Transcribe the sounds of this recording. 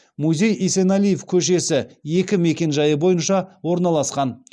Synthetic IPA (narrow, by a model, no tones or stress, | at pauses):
muzʲe̞jisenalijefkʲʰɵʃ̬e̞sɪje̞kʲɪme̞kʲe̞nʒɑjəbo̞jənʃɑwo̞ɾnɑlˠɑsqɑn